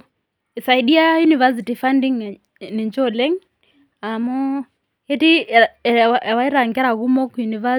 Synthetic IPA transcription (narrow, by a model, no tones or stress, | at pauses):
isaiɗiajunivas̬itifandiŋ | nind͡ʒɔlɛŋ | amɔ | ɛti | waiɾaŋɡɛɾaɣumɔkjuniva